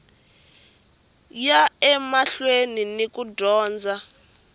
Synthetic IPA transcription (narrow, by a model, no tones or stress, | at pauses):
jaɛmaɬweninikʼudɔːnd͡zʱa